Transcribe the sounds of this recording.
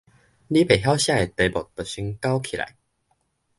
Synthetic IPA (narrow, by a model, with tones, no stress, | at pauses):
li˦pe˨˩ɦja˦wɕjã˥˧˨e˨˩t̪e˨˧bɔ˨˩t̪ə˨˩ɕy˧˦ŋka˦ʊwkʰi˨la̰˧˦j